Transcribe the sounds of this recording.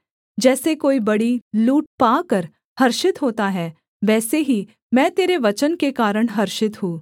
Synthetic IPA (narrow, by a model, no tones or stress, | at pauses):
d͡ʒɛːsekoːibɐɽiluːʈ̚paːkəɾ | hɐɾʃɪt̪ɦoːt̪aɦɛː | ʋɛːseɦi | mɛ̃ːt̪eːɾeʋɐt͡ʃənkekaːɾəɽ̃ɦɐɾʃɪt̪ɦũː